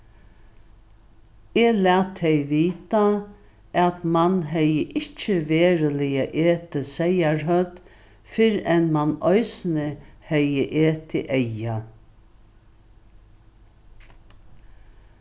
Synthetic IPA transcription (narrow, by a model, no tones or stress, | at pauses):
ɛːlæːt̪ʰːɛjʋiːt̪a | at̪manɦɛjəʔɪht͡ʃəʋeːɾəlɪjaʔeːt̪ʰɪsɛjaɹɦœt̪ | fɪɾɛnmanɔʏsnɪhɛjəʔeːt̪ʰɪ̰ʔɛja